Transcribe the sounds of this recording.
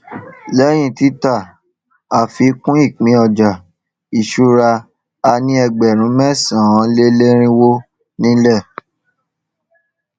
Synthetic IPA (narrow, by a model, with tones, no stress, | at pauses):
lɛ˦j̃ĩ˧˦ti˦ta˦˨ | a˨fi˧˦kũ˦i˦˨k͡pĩ˨˦ɔ˧˨d͡ʒa˨ | i˨ʃu˦ɾa˧ | a˧nĩ˦ɛ˧ɡ͡bɛ˨ɾ̃ũ˨˦mɛ˦sã˨ã˨˦le˦le˦ɾ̃ĩ˦wo˦ | nĩ˦lɛ˦˨